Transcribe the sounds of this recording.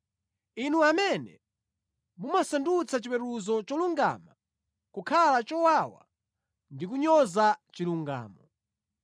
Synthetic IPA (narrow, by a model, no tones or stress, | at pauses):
inuamɛnɛ̰ | mumasandut͡sʰat͡ʃipɛɾuzɔt͡ʃɔluŋɡa̰ːma | kukʰalat͡ʃɔwawa̰ | ndik̬uɲɔzat͡ʃiluŋɡa̰ːmɔ